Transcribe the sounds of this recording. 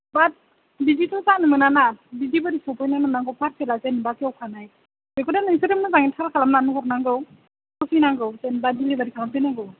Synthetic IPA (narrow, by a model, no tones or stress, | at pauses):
bat̚ | biditʰɔzanɯmɯnanabidibɯɾisɔpɯjnananaŋɡɯwpʰaɾsʰelazenbakʰiawkʰanaj | bekɔdanɯsɯɾɯmɯzaŋitʰalkʰalamnanuɦɔɾnaŋɡɯw | kɔsɯjnaŋɡɯwzenbadilibaɾikʰalampenaŋɡɯw